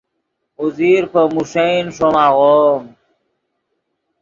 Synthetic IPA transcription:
uziɾpəmuʂeinʂomaɣom

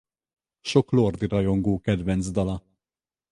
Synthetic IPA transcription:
ʃɔklɔːɾd̪iɾɐjɔŋɡuːkɛd̪vɛnt͡sd̪ɐlɐ

